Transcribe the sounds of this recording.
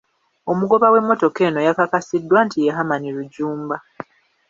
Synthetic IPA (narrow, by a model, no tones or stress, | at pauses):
o̞muɡo̞βawe̞mːo̞to̞ke̞ːno̞jakakasidːwantijeɦamaniɾuɟuːmba